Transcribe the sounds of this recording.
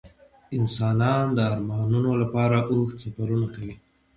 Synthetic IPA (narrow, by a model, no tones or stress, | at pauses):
ɪnsɑnɑnd̪əɑɾmɑnunolapɑɾaʔoxt̪safaɾunakawi